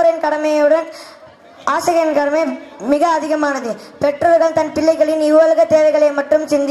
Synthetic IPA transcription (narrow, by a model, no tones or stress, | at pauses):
ɾɐnkɐɽɐmɐjɯɽɐn | aːsɐɣɐjɐnkɐɽɐmɐɪmɪɣɐːðɪɣɐmaːnɐðɯpɛʈrɐɾɣɐɭt̪ɐnpɪɭːɐɪɣɐɭɪnɪʋɐlɯɣɐt̪eːʋɐɪɣɐɭɐɪmɐʈrɯmsɪnd̪ɪ